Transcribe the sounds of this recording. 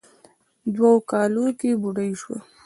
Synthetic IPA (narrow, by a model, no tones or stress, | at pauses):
d̪waokɑlokebuɽajʃwa̰